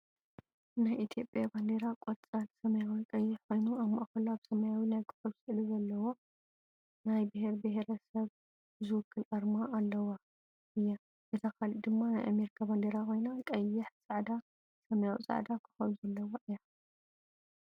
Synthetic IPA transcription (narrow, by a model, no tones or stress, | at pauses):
najʔit̪ʰjo̞pʼjaband̪eɾakʼot̪t͡sʼalsɐmɐjawikʼɐjːɪħkʰo̞jnuaβmaʔakɐlaβsɐmɐjawinajkʰɨ̥xɐβsɨʔluzɐlːɐwo̞ | najbɨheɾbɨheɾɐsɐβ | zɨwʊkʰːɨlʔɐɾmaʔːlːɐwa | ʔɨjːa | bɨt̪ʰakʰalid̪ɨmːana̰jʔa̰meɾikʰaband̪eɾakʰo̞jnakʼɐjːɪħsʼɐʕd̪a | sɐmɐjawḭt͡sʼa̰ʕd̪akʰɨ̥xɐluzɐlːɐwaʔɨja